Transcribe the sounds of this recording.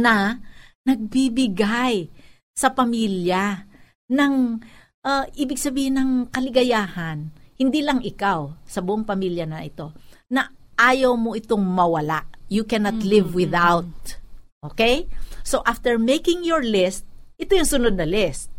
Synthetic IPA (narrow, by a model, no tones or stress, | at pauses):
nɐnɐɡ̚bibɪɡaj | sɐpɐmiːlja | nɐŋ | ʔaʔiːbɪɡ̚sɐbiːhɪnɐŋkɐlɪɡɐjaːhɐnhɪnd̪iːlɐŋʔɪkawsɐbʊʔoŋpɐmiːljɐnɐʔɪt̪o̞nɐ | ʔaːjɐwmo̞ʔɪt̪oŋmɐwɐla̰ʔjukɛnɐt̪lɪvwɪðawt̪̚ʔokejsoʔaft̪ɛɹmejkɪŋjoɹlɪst̪̚ʔɪt̪ojʊŋsʊnod̪nɐlɪst̪̚